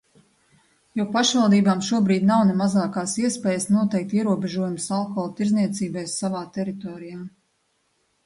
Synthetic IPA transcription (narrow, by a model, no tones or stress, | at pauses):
juɔpaʃvalˠd̪iːbaːmʃuɔbɾiːd̪ʲnawnemazaːkaːsiɛspɛːjəsnuɔt̪ɛjk̚t̪iɛɾuɔbɛʒuɔjumsalˠkɔlˠt̪iɾzniɛt̪siːbɛjsːavaːt̪ɛɾit̪ɔːɾijaː